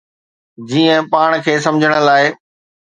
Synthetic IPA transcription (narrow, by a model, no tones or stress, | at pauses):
d͡ʑiːə̃paːɽ̃kʰeːsɐ̃md͡ʑʱəɽ̃ə̆laːɪ